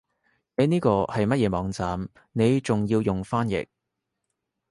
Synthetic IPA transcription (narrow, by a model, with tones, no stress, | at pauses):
ne˨˧niː˥kɔː˧hɐ˨jmɐ˥t̚jɛː˨˧mɔː˨˧ŋt͡saː˨m | ne˨˧jt͡sʊ˨ŋjiː˧wjʊ˨ŋfaː˥njɪ̰˨k̚